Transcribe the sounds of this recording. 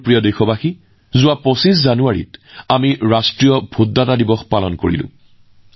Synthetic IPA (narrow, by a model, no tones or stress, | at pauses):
pɹijɔdejxɔbaxi | zʊwapɹɔsiszanuaɹḭtamiɹastɹijɔbʱudːatadibɔxpalɔnko̰ɹḭlʊ̰̃